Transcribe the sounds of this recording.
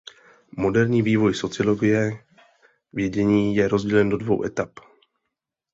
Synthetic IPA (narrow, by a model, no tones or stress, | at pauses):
mo̞dɛɾɲiːviːvo̞jso̞t͡sɪolo̞ɡɪjɛ | vjɛɟɛɲiːjɛɾo̞zɟɛlɛndo̞dvo̞̰wʔɛt̪ap